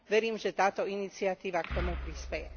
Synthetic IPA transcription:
ʋɛɾiːmʒɛt̪aːt̪ɔinit͡siat̪iːʋakt̪ɔmupɾispɛjɛ

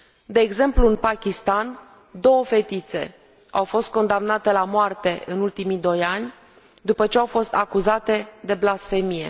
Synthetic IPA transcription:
d̪e̞ːɡze̞mpluɨnpakʲist̪an | d̪o̞wəfe̞t̪it̪se̞̰ | awfo̞st̪̚ko̞nd̪amnat̪e̞lamoart̪e̞ʔɨnult̪imid̪o̞janʲ | d̪upət͡ʃe̞awfo̞st̪akuzat̪e̞d̪e̞blasfe̞mije̞̰

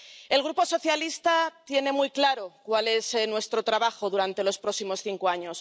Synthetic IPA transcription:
e̞lɣ̞ɾupo̞so̞θjalist̪at̪je̞ne̞mujklaɾo̞kwale̞senwe̞st̪ɾo̞t̪ɾaβaxo̞ðuɾant̪e̞lo̞spɾo̞ksimo̞sθiŋkoaɲo̞s

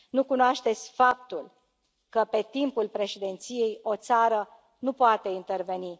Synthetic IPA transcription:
nukunoaʃt̪e̞t̪sʲfap̚t̪ul | kəpe̞t̪impulpɾe̞ʃed̪e̞nt̪sije̞jo̞t̪saɾə | nupoat̪e̞int̪e̞rve̞ni

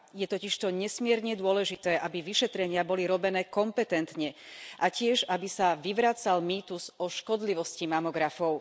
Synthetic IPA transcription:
jɛt̪ɔciʃt̪ɔɲɛsmɪɛɾɲɛd̪ʊɔlɛʒit̪ɛːʔabiʋiʃɛt̪ɾɛɲɪabɔliɾɔbɛnɛːkɔmpɛt̪ɛnt̪ɲɛʔacɪɛʒabisaʋiʋɾaːt͡salmiːt̪uzɔʃkɔd̪liʋɔscimamɔɡɾafɔʊ

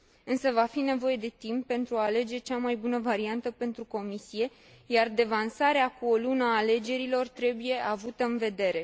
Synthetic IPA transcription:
ɨnsəvafine̞vo̞je̞d̪e̞t̪impːe̞nt̪ɾuaːle̞d͡ʒe̞t͡ʃamajbunəvaɾiant̪əpe̞nt̪ɾuko̞misije̞ | jard̪e̞vansaɾeakuo̞lunaːle̞d͡ʒe̞ɾilo̞rt̪ɾe̞buje̞ʔavut̪əɨnve̞d̪e̞ɾe̞

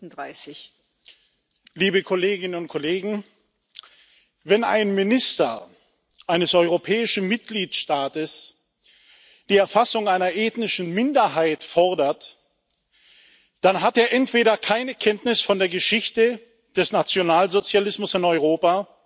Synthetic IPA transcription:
n̩daɪsɪç | liːbəkʰoleːɡɪnənʊnt̚kʰoleːɡŋ̩ | vɛna̰ɪnmɪnɪstɐ̰ | ʔaɪnəsɔʏʁopʰɛːɪʃn̩mɪt̚ɡ̥liːtʃtaːtəs | d̥iːɛɐfasʊŋaɪnɐʔeːtnɪʃn̩mɪndɐɦaɪtfɔɐdɐt | d̥anɦateːɐʔɛntv̥eːɾɐkʰaɪnəkʰɛntnɪsfɔndeːɐɡəʃɪçtə | d̥ɛsnat͡sjonaːlzot͡sjalɪsmʊsɪnɔʏʁ̞oːpaː

